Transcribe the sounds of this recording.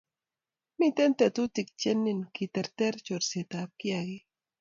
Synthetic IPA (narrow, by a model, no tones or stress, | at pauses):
mit̪ent̪et̪ut̪ik̚t͡ʃenːinkit̪eɾt̪eɾt͡ʃoɾset̪ap̚kiaɣi